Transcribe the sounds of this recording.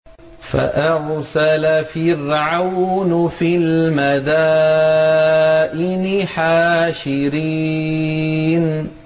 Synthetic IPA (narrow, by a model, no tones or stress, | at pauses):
fa̰ʔɑɾsalafɪrʕawnfilmad̪a | ʔɪnɪħaːʃɪɾiː | n